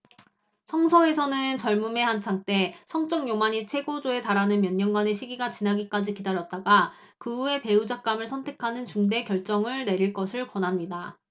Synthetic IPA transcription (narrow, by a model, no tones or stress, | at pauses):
sʰʌŋsʰʌe̞sʰʌnɯnt͡ɕʌɭmume̞hant͡ɕʰaŋt͈e̞sʰʌŋt͡ɕ͈ʌŋjomaɲit͡ɕʰwe̞ɡod͡ʑoe̞taɾanɯnmjʌɲːʌŋɡwane̞ɕʰiɡiɡat͡ɕinaɡik͈ad͡ʑikidaɾjʌt̚t͈aɡa | kɯue̞pe̞ud͡ʑak̚k͈amɯɭsʰʌntʰe̞kʰanɯnt͡ɕuŋde̞kjʌɭt͡ɕ͈ʌŋɯɭne̞ɾiɭk͈ʌsʰɯɭkwʌnɦamɲida